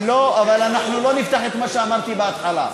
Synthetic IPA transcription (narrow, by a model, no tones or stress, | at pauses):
loavalanaħnulo̞nift̪aχet̪maʃeamaʁt̪ibeat̪ħala